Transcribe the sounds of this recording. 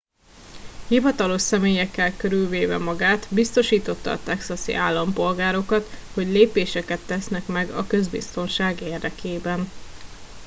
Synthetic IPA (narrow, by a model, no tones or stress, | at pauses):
hivɒt̪ɒlo̞ʃsɛmeːjɛkːɛlkøɾylveːvɛ̰mɒɡaːt̪bist̪o̞ʃiːt̪o̞t̪ːɒ̰ːt̪ɛksɒsḭʔaːlːɒmpo̞lɡaːɾo̞kɒt̪ho̞ɟleːpeːʃɛkɛt̪ːɛsnɛkmɛɡɒkø̞zbḭst̪o̞nʃaːɡeːrd̪ɛkʰeːbɛn